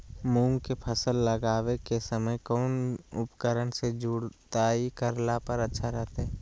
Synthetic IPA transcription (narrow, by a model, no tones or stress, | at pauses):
mũːŋɡkepʰəsəlːəɡaːʋekesəməjkɔːnʊpkəɾənsed͡ʒuːɽt̪aːikəɾlapəɾətːʃʰaɾɛɦt̪ɦɛː